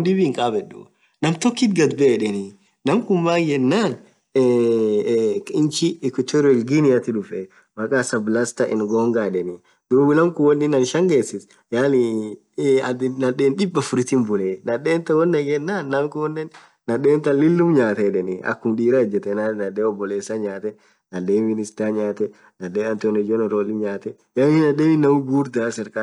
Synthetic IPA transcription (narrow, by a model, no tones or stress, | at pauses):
ndɪbiŋkʼaːbɛɗːṵ | nɐmt̪ɔkːɪt̪ɡɐd̪bɛᶑɛnɪ | nɐmkʊmbaːkjɛnːaːn | kɪnt͡ʃɪːkʊt̪ːɛɾɛlɡinɪɐt̪ɪᶑʊfɛ | mɐkʼaːsɐblast̪ɐʔɪnɡoːŋɡaːᶑɛnɪ | d̪̥uːbɪnɐmkʊwɔnːɪnɐnʃɐŋɡeːsɪs | jaːli | ɐd̪nɐɗeːnᶑɪbːɐfʊɾɪt̪ɪmbʊleːnɐɗeːnt̪ɐwɔnːɐɡɛnːaːnːɐmkʊwɔnːɪnː | ɐɗeːnt̪ɐlɪlːʊmɲaːt̪ɛᶑɛnɪɐ̰kːʊmᶑiːɾɐɛd͡ʒːɛt̪ɛnanɐɗeːɔbːɔleːsːaɲaːt̪ɛ | nɐɗeːmɪnɪst̪aɲaːt̪ɛ | nɐɗeːɐnt̪ɔnɛd͡ʒonɛɾoːlɪɲaːt̪ɛ | jaːnɪnɐɗeːnɪnːɐmʊɡuːɾd̪aːsɛɾkʼa